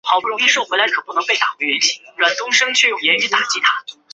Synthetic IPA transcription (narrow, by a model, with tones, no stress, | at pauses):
xɑ˨˩ʊpu˥˩ʊ˧˥ŋi˥ʂo˥˩ʊxwla˧˥ɪkʰɤ˨˩pu˥˩nɤ˧˥ŋpe˥˩ɪt̪a̰˨˩xwɥɛ˧˥nt͡ɕʰi̥˥˩˦a˥˩nt̪ʊ˥ŋʂɤ˥ŋt͡ɕʰɥɛ˥˧jo˥˩ʊjɛ˧˥ny˧˥t̪a˨˩t͡ɕi˥˩t̪ʰa˧˥